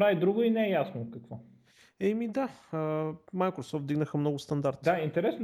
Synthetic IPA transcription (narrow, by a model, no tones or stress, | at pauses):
ɾavid̪ɾuɡʊinɛɛjasnokɐkvɔ | ɛmid̪aəmajkɾosɔft̪d̪iɡnəxəmnɔɡʊst̪ɐnd̪aɾt̪dd̪aint̪ɛɾɛsn